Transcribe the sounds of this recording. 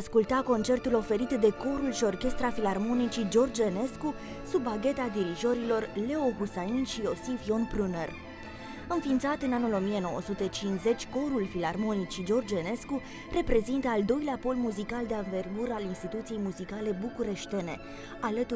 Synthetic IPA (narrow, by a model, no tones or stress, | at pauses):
askult̪ako̞nt͡ʃe̞rt̪ulo̞fe̞ɾit̪d̪e̞ko̞ɾulʃio̞rkʲe̞st̪ɾafilarmo̞nit͡ʃid͡ʒo̞rd͡ʒene̞sku | subaɡʲe̞t̪ad̪iɾizo̞ɾilo̞rle̞o̞ɣusainʃio̞sifjo̞npɾuner | ɨnfiːnt̪sat̪ɨnanulo̞mije̞no̞wə̰sut̪e̞t͡ʃinze̞t͡ʃʲko̞ɾulfilarmo̞nit͡ʃid͡ʒo̞rd͡ʒene̞sku | re̞pɾe̞zint̪əald̪o̞jleapo̞lmuzikald̪e̞aɱve̞rɡuɾəalinst̪it̪ut̪sijejmuzikale̞bukuɾe̞ʃt̪e̞ne̞̰ | alət̪u